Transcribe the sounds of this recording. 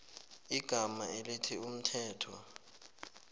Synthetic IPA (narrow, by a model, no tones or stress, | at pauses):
iɡ̥ʱamaelitʰium̩tʰɛːtʰɔ̰